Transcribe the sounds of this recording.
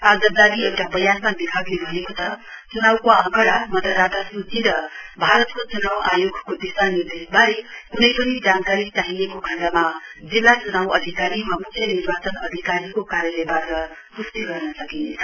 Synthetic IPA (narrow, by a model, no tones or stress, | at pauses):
ad͡zʌd͡zad̪iewʈabʌjanmad̪ikʰaɡnebʱʌnekot̪ʌt͡sunawkoʌ̃ŋkʌɽamʌd̪ʱʌɾad̪ʱasut͡siɾʌbʱaɾʌt̪kot͡sunawajoɡʱkod̪isanird̪esbaɾiunʌjpʌnid͡zankaɾit͡saɦijekokʌɳɖamad͡zilːat͡sunawʌ̰d̪ʱikaɾimamukʰːjʌniɾbat͡sʌnʌd̪ʱikaɾikokaɾjʌlebaʌ | pust̪iɡʌrnʌsʌkint͡sʰʌ